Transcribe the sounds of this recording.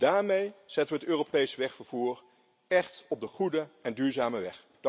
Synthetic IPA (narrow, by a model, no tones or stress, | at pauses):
d̥aːɹmejz̥ɛtəʋəɦətøːropejsəʋɛχfəɹv̥uːɹ | ɛχtɔb̚dəχudəɛndyːɹzaːməʋɛχ | d